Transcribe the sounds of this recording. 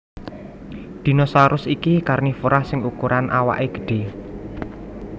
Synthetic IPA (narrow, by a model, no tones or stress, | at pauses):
d̪̥i̤nɔsaɾʊsikikarnifuɾahsɪŋukuɾʔanʔawa̰ʔeɡ̥ə̤̥ɖ̥e̤